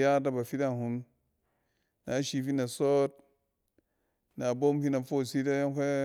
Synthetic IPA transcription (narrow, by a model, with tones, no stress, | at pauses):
ja˦da˦ba˨fi˦da˦˨hu˦m | na˨˦ʃi˨fi˦na˨so˦t̚ | na˨bo˦mfi˦na˨fo˦˨si˦ta˦jke˦